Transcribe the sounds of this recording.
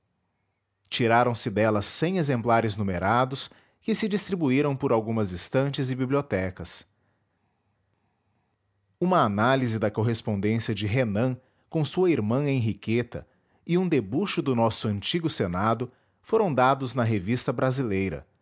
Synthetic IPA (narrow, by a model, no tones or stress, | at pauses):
t͡ʃiɾaɾɐ̃w̃sɪd̪ɛlɐsːẽj̃ezẽmplaɾɪznumeɾad̪ʊs | kɪsɪd͡ʒist̪ɾibuiɾɐ̃w̃pʊɾawɡũmɐzĩst̪ɐ̃nt͡ʃɪzɪbibliot̪ɛkɐs | ũmɐːnalizɪd̪ɐkoɦespõnd̪ẽsiɐd͡ʒɪɦenɐ̃ | kõsuɐiɾmɐ̃ẽɦiket̪ɐ̰ | ɪũd̪ebuʃʊd̪ʊnɔsʊɐ̃nt͡ʃiɡʊsenad̪ʊ | foɾɐ̃w̃d̪ad̪ʊznɐɦevist̪ɐbɾazilejɾɐ̰